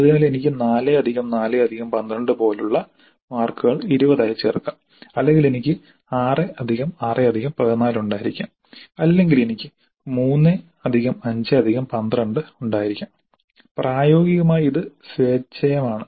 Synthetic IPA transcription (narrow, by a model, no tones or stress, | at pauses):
ɐðɨnaːle̞nikʲːɨnaːleɐd̪ʱiɣɐmnaːleɐd̪ʱiɣɐmpɐnd̪rɐɳɖɨpo̞ːluɭːɐ | maːrkːɨɣɐɭiɾubɐðaːjt͡ɕːerkːɐm | ɐlːe̞ŋɡile̞nikʲːɨ | aːreɐd̪ʱiɣɐmaːreɐd̪ʱiɣɐmpɐɐnaːluɳɖaːjiɾikʲːu | ɐlːe̞ŋɡile̞nikʲːɨ | muːnːe | ɐd̪ʱiɣɐmɐɲd͡ʑeɐd̪ʱiɣɐmpɐnd̪rɐɳɖɨuɳɖaːjiɾikʲːum | praːjo̞ːɡiɣɐmaːjiðɨsʋe̞ːt͡ɕːɐjɐmaːɳɨ